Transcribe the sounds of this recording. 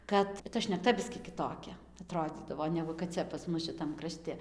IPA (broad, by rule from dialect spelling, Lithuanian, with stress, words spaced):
ˈkɐt tɐ ʃʲnʲɛkˈtɐ ˈbʲɪsʲkʲiː kʲɪˈtoːkʲɛ ɐˈtroːd͡zʲiːdɐʋoː ˈnʲæːɡʊ kɐt ˈt͡sʲɛ pɐs ˈmʊs ʃʲɪˈtɐm krɐˈʃʲtʲɪ